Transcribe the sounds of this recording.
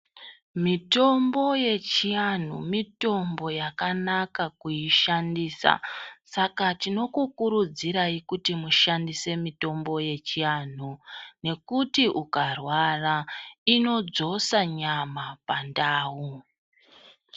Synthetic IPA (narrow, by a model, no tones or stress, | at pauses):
mito̞mbo̞je̞t͡ʃian̤ṵmito̞mbo̞jakanakakuiʃandiːsa̰sakatino̞kukuɾud͡ziɾaikutimuʃandise̞mito̞mbo̞je̞t͡ʃian̤une̞kutiʔukarwaraino̞d͡zo̞saɲamapandaːwu